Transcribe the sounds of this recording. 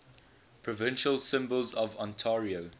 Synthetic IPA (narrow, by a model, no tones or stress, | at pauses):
pʰɹɔvɪ̃nʃəlsɪ̃mbəlˠzɔvɔ̃ntʰɛːɹio